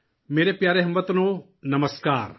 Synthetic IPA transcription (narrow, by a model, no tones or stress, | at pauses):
meːɾepjaːɾeɦɐmʋət̪noː | nɐməskaːɾ